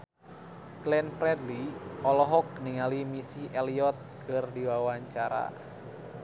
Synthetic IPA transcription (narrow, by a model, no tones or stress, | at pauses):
klɛnpɾɛdliɔlɔɦɔk̚niŋalimisiʔɛliɔt̪̚kʰɨrdiwawaɲt͡ʃaɾa̰